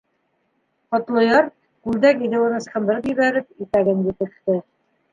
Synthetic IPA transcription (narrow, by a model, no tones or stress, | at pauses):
qɒt̪lˠɤ̆jɑɾ | kʉld̪ækiðɘ̆wɤ̆nɤ̆sqɤ̆nd̪ɤ̆ɾɤpʑɘ̆βæɾɘp̚it̪æɡɘnjɘt̪ɘ̆kt̪ɘ